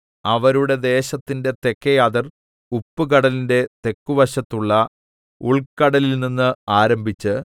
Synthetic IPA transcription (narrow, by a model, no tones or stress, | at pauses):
ɐʋɐɾuɽe̞d̪e̞ːɕɐt̪ːinde̞t̪e̞kːɐjaːðɐr | upːɨk̬ɐɽɐlinde̞t̪e̞kːuʋɐɕɐt̪ːuɭːɐ | uɭkɐɽɐlilninːɨaːɾɐmbʱit͡ɕːɨ